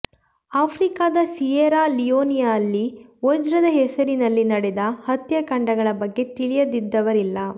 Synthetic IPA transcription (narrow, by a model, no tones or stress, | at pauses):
aːpʰɾikaːd̪ɐsijeɾaːlijoːnijaːlːiod͡ʒɾɐd̪ɐɦɛsɐɾinɐlːinɐɽed̪ɐhɐt̪jɐkɐɳɖɐɡɐɭɐbɐɡːe̞t̪iɭijɐd̪id̪ːɐʋɐɾilːɐ